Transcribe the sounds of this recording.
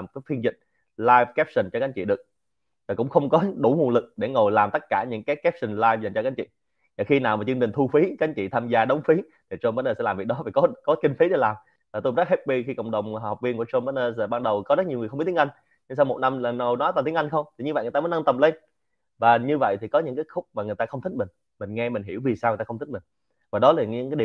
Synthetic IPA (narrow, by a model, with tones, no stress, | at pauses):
m˩kaː˨˦jfi˧ənzḭ˧˨ŋ̟̚ | laː˧jvkɛ˦˥p̚sï˨˩nt͡ɕɔ˧ka˨˦ŋ̟t͡ɕḭ˧˨ɗɨ˨˩ək̚ | vaː˨˩kʊ̰˧˥ŋ͡mxə˧wŋ͡mkɔ˨˦ɗu˧˩ŋu˨˩nlɨ˨˩k̚ɗe˧˩ŋo˨˩jlaː˨˩mt̪ə˦˥t̚kaː˧˩ɲɨ̰˧˥ŋkaː˨˦jkɛ˦˥p̚si˨˩nlaː˧jfza˨˩jŋt͡ɕɔ˧ka˨˦ŋ̟t͡ɕḭ˧˨ | vaː˨˩xi˧naː˨˩wmaː˨˩t͡ɕɨ˧əŋt͡ɕï˨˩ŋ̟t̪ʰu˧fi˨˦ka˨˦ŋ̟t͡ɕḭ˧˨t̪ʰaː˧mzaː˧ɗə˨˦wŋ͡mfi˨˦ | t̪ʰi˨˩t͡ɕo˧mɓaː˧˦˥nəː˧sɛ̰˧˥laː˨˩vi˨˩ək̚ɗɔ˨˦aː˨˩kɔ˨˦kɔ˨˦kï˧ŋ̟fi˨˦ɗe˧˩laː˨˩m | vaː˨˩t̪o˧ŋ͡mzə˦˥k̚he˦˥t̚ɓi˧xi˧ko̰˧˨wŋ͡mɗə˨˩wŋ͡maː˨˩wk͡p̚vi˧ənku˧˩ət͡ɕo˧mɓaː˨˦˥nəː˧aː˧˩ɓaː˧nɗə˨˩wkɔ˨˦zə˦˥ɲ˨˩ŋɨ˨˩xi˦˥t̪i˦ʔa˧jŋ̟ | ɲɨ˧ŋsa˧wmo˨˩t̚na˧mla˨˩n˨˧˩wnɔ˨˦jt̪aː˨˩t̪i˨˦ŋʔa˧jŋ̟xə˧wŋ͡mt̪i˨˩ɲɨ˧və̰˨ŋ˨˩t̪a˧mː˨˦na˧nt̪ə˨˩mle˧n | vaː˨˩ɲɨ˧və̰˧˨jt̪ʰi˨˩kɔ˨˦ɲɨ̰˧˥ŋkaː˨˦jxʊ˦˥k͡p̚maː˨˩ŋɨ˨˩jt̪aː˧xə˧wŋ͡mt̪ʰï˦˥mï˨˩ŋ̟ | mï˨˩ŋ̟ŋɛ˧mï˨˩ŋ̟ɦi˧˩əwvi˨˩saː˧wt̪ːaː˧wt̪ï̟˦˥m˨˩ŋ̟ | vaː˨˩ɗɔ˨˦laː˨˩˨ɨ̰˧˥ŋkːaː˨˦ɗi˨˩